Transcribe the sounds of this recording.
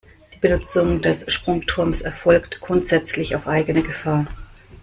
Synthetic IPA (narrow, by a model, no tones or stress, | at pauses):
d̥iːbənʊt͡sʊŋdɛsʃpʁ̥ʊŋtʰʊɐmsɛɐfɔlktɡ̥ʁʊntz̥ɛt͡slɪçaʊfʔaɪɡənəɡəfaːɐ